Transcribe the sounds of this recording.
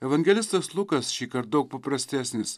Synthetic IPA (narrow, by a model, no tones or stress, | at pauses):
ɛʋɐŋʲɡʲɛlʲɪst̪ɐslˠʊkɐsʃʲiːkɐɾt̪̚d̪ɐʊk̚pɐpɾɐsʲt̪ʲæːsʲnʲɪs